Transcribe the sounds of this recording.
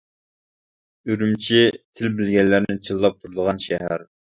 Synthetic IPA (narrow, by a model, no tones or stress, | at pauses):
yɾymt͡ʃʰit̪ʰɪlbɪlɡʲɛnlːæɾnɪt͡ʃʰilˠːɑp̚t̪ʰuɾd̪əʁɑnʃɛɦæɾ